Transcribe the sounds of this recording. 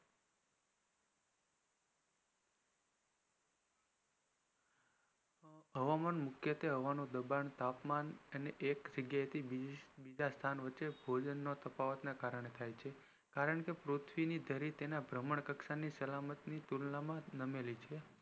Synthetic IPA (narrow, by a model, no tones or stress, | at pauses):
ɦəʋamanmʊkʰjət̪eɦəʋanũd̪əbant̪apmanəneʔekd͡ʒəɡjaet̪ʰibid͡ʒast̪ʰanʋətːʃebʱod͡ʒənːot̪əpaʋət̪nakaɾəɳ̃et̪ʰajt͡ʃʰe | kaɾəɳkepɾot̪ʰʋinid̪ʱəɾit̪enabɾəməɳkəkʃanisəlamət̪nit̪ulnamãnəmelit͡ʃʰe